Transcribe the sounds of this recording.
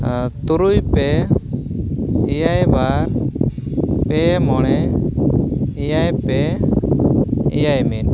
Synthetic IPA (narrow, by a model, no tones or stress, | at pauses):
t̪uɾujpɛ | ijajbaɾ | pɛmɔɽ̃ɛ | ijajpɛ | ijajmin